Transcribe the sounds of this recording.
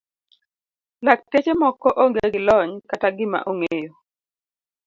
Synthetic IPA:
lak̚tet͡ʃemɔkɔʔoŋɡeɡɪlɔɲkataɡɪma̰ʔoŋejo

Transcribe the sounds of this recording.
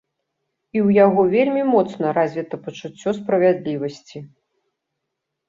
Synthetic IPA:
iwjaɣɔvʲelʲmʲimɔt̪snɐɾazʲvʲit̪ɐpɐt͡ʂut͡sʲːɔspɾɐvʲad̪lʲivɐsʲt͡sʲi

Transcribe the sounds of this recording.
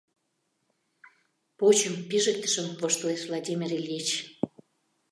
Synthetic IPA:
pot͡ɕəmpiʒə̆k̚t̪ə̥̆ʃə̆mvoʃt̪oesvlˠɑdʲimʲirilʲiet͡ɕ

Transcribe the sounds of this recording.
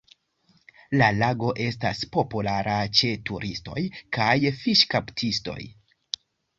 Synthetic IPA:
lalaɡo̞ʔe̞staspo̞pulaɾat͡ʃe̞tuɾʔisto̞̰jkajfiʃkaptʰisto̞̰j

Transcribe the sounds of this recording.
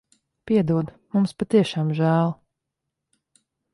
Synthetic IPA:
piɛd̪uɔd̪ | mumspat̪iɛʃaːmʒæːlˠ

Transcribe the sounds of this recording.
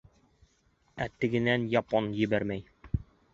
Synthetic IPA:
æt̪ɘ̆ɡɘ̆nænjɑponjɘ̆bæɾmæj

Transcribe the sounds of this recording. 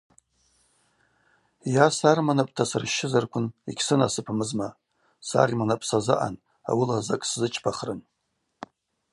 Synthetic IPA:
jasarmanapʼtʰasɨrʃːɪzarkʷʰʊnikʲʰsɨna̰sɨpʰmɨzma | sa̰rimanapʼsazɨʔa̰n | a̰wilazakʼszɨt͡ʃʰpʰaχrɨn

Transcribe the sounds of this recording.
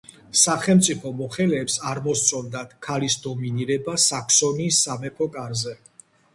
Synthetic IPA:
saχɛlmt̪sʼipʰɔmɔχɛlɛːpsaɾmɔst̪sʼʰɔnd̪ad̪̥kʰalisd̪ɔminiɾɛbasakʰsɔniːsːamɛpʰɔkʼaɾzɛ

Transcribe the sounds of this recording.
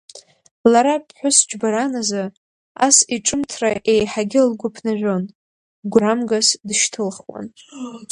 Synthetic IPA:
laɾapʼʰħʷʊsd͡ʒʰbaɾanaza | a̰siʈ͡ʂʼɨmtʰraʔe̞jħaɡʲɪlɡʷʊpʰnaʒᶣʷo̞n | ɡʷramɡasdʃtʰɨlχwa̰n

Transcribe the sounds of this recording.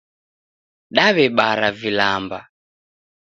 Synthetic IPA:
ɗaβɛɓaɾavilamba

